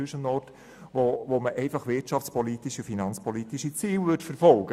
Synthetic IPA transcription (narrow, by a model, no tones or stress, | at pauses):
ʏʃənnɔrt | ʋoʋoməʔɛɪfɑχʋɪtʃɑft͡spɔlit̪iʃifinɑnt͡spɔlit̪iʃit͡siːlʋʏtfɛɾfɔlɡ̥ə